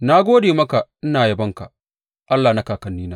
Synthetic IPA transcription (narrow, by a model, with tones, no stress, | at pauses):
na˦ɡʷoː˦deː˨mɐ˦ka˨nɪ˦naː˨jɐ˨bɐ˦ŋka˨ | ʔa˦lːaː˨na˦kaː˨kɐ˨nːiː˦naː˦